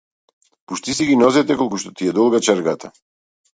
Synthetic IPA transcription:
puʃt̪is̬iɡinɔzɛt̪ɛkɔlˠkuʃt̪ɔt̪iɛd̪ɔlˠɡat͡ʃɛɾɡat̪ʰa

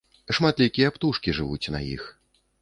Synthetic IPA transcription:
ʂmat̪lʲikʲijɐpt̪uʂkʲiʐɨvut͡sʲna̰jḭx

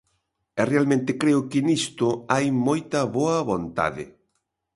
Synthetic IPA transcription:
ɛrealmẽnt̪ɪkɾeʊkɪnist̪ʊajmojt̪ɐβoɐβont̪a̰ðɪ̰

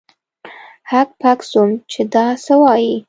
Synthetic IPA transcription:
hak̚paksumt͡ʃed̪ɑsəwɑji

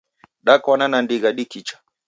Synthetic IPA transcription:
ɗakananandiɣaɗikit͡ʃḁ

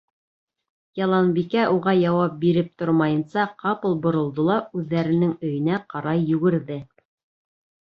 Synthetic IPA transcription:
jɑlˠɑnbikæʔuʁɑjɑwɑp̚biɾɘp̚t̪oɾmɑjɤ̆nsɑqɑpɤlˠbŏɾŏlˠd̪olˠɑʉðːæɾɘ̆nɘŋɵ̆jɘ̆næqɑɾɑjːɵ̆ɡɘ̆ɾðɘ

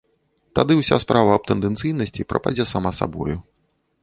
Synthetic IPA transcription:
t̪ad̪ɨwsʲa̰spɾʔavɐːb̚t̪ɛnd̪ɛnt̪sɨjnɐsʲt͡sʲipɾɐ̰pa̰d͡zʲɛsamasa̰bɔ̰ju

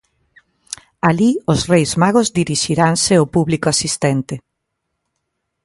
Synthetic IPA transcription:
aliozrejzmaɣozd̪iɾiʃiɾansɪopuβlikoasist̪ɛnt̪ɪ

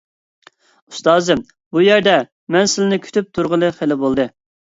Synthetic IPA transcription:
ust̪ɑːzɨ | bujæɾd̪ɛ | mɛnsɪlɪnɪkʲʰy̥t̪ʰyp̚t̪ʰuɾʁəlˠɨχelɪbolˠd̪ɨ

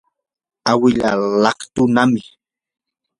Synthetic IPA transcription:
awɪʎa̰lɑkt̪ʊnamɪ

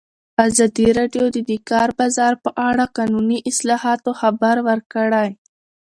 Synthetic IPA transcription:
azɑd̪iɾɑɖjod̪əd̪ikɑɾbɑzɑɾpəʔaɽaqɑnuniʔɪslɑhɑt̪oxabaɾwəɾkəɽaj

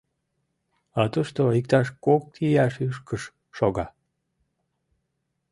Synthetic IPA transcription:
ɑt̪uʃt̪oik̚t̪ɑʃkok̚t̪ijɑʃyʃkəʃː | oɣɑ

